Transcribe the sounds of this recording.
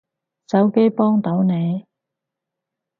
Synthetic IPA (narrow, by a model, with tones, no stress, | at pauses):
t͡sɐ˨˥wke˨˥jpɔː˥ŋt̪o˨˥wne˨˧j